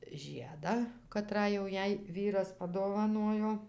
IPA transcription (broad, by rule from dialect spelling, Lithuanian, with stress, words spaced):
ˈʒʲiɛdɑː kɐˈtrɑː jɛʊ ˈjɛɪ ˈʋʲiːrɐs pɐdoːʋɐˈnoːjoː